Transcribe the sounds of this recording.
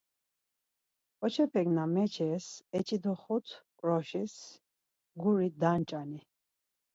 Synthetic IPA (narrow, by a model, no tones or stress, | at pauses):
kʼɔt͡ʃʰɛpʰɛɡnamɛt͡ʃʰɛsɛt͡ʃʼid̪ɔχut̪ʰkʼɾɔʃis | ɡuɾid̪ant͡ʃʼani